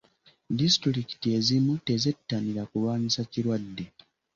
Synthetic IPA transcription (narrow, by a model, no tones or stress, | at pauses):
distɾɾiki̥tie̞zimute̞ze̞tːaniɾakulwaːɲisaciɾwadːe̞